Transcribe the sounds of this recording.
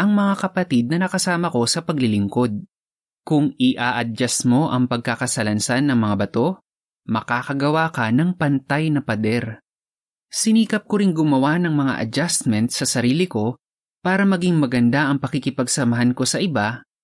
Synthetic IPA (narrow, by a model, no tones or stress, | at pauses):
ʔɐŋmɐŋakɐpɐt̪id̪̚nɐnɐkɐsaːmɐko̞sɐpɐɡlɪlɪŋko̞d̪̚ | kʊŋɪʔaʔɐd͡ʒasmo̞ʔɐŋpɐɡ̚kakɐsɐlɐnsanːɐŋmɐŋabɐt̪o̞ | mɐkaːkɐɡɐwaːkɐnɐŋpɐnt̪ajnɐpɐd̪ɛɾ | sɪniːkɐp̚koɾɪŋɡʊmɐwanɐŋmɐŋa̰ʔɐ̰d͡ʒast̪mɛnt̪̚sɐsɐɾiːlɪko̞ | paːɾɐmɐɡiŋmɐɡɐnd̪aʔɐŋpɐkikɪpɐɡsɐmɐɦanko̞sɐʔɪba